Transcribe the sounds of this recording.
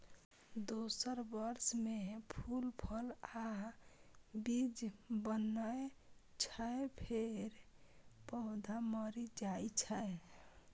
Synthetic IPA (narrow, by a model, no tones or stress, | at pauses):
d̪osəɾbəɾsmepʰulpʰəla | bid͡ʒbənəet͡ʃʰəepʰeɾpəɦd̪ʱaməɾid͡ʒajt͡ʃʰəe